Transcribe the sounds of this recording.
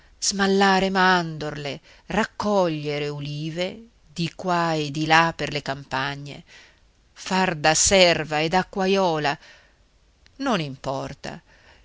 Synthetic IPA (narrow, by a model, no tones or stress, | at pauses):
z̥malːaːɾemand̪orle | rakːɔʎːeɾeuliːve | d̪ikwaed̪ilapːerlekampaɲːḛ | fard̪asɛrvaed̪akːwajɔːla | nonimpɔrt̪a̰